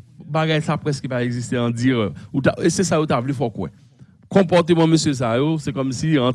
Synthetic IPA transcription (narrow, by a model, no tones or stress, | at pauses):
baɡajsapʁɛskəpaeɡzist̪eɐ̃d͡ziʁɛut̪aesɛsajot̪avlifɔkwɛ̰̃ | kɔ̃pɔʁt̪ømãmøsjøs̬ajosɛkɔmsiɑ̃